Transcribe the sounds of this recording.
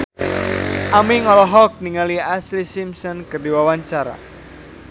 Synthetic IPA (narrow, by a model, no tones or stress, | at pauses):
ʔamiŋɔlɔɦɔk̚niŋaliaslisimsɔnkərdiwawaɲt͡ʃaɾa̰